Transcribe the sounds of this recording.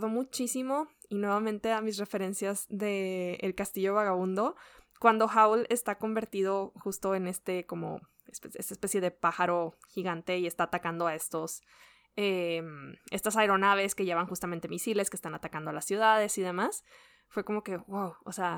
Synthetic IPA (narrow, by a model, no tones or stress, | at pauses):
ðomut͡ʃisimo̞ | inwe̞βamẽnt̪e̞amisre̞fe̞ɾe̞nsjazðe̞ːlkast̪iʝo̞βaɣaβũnd̪o̞kwand̪o̞xawlest̪ako̞mbe̞ɾt̪iðo̞xust̪o̞e̞ne̞st̪e̞ko̞mo̞̰ | espest̪aespe̞sje̞ðe̞paxaɾo̞ | xiɣant̪e̞ie̞st̪aːt̪akand̪oae̞st̪o̞s | eme̞st̪osaeɾo̞naβ̞e̞skeʝeβanxust̪ament̪e̞misile̞skest̪anat̪akand̪oalasːjuðaðe̞siðe̞mas | fwe̞ko̞mo̞ke̞wawo̰sea